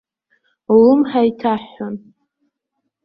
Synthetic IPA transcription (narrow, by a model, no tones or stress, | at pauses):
lɨmħaitʰaħan